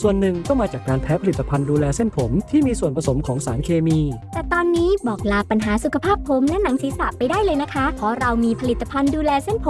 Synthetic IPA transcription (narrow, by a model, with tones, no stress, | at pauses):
su˨˩ənːɯ˨˩ŋkɔ˥˩ŋmaː˧t͡ɕaː˨˩kːaː˧npʰɛː˦˥pʰa˧li˨˩t̪ːa˧pʰa˧nduː˧lɛː˧se˥˩npʰo˩˦mt̪ʰiː˥˩miː˧su˨˩ənpʰɾa˧so˩˦mkʰɔː˩˦ŋsaː˩˦ŋkʰeː˧miː˧t̪ɛː˨˩t̪ɔː˧nːiː˦˥bɔː˨˩k̚laː˧pa˧nɦaː˩˦su˨˩kʰa˧pʰaː˥˩pʰːo˩˦mlɛ˦˥na˩˦ŋsiː˨˩˦sa˨˩pa˧jdaː˥˩jlɤː˧jna˦˥kʰa˦˥kʰɔː˨˥ɾa˧wmiː˧pʰa˧li˨˩t̪ːa˧pʰa˧nduː˧lɛː˧se˥˩npʰ